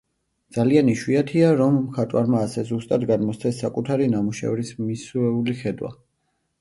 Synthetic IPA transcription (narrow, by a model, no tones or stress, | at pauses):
d̪z̥alianiʃwiat̪ʰiaɾɔmːkʰat̪ʼwaɾmaːsɛzust̪ʼad̪ɡad̪mɔst̪sʰɛsːakʼut̪ʰaɾinamuʃɛ̰vɾismisuɛuliχɛd̪wa̰